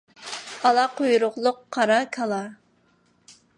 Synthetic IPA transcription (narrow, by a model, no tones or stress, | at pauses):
ɑlˠɑqʰojuɾʊχlˠʊqʰːɑɾɑkʰɑlˠɑ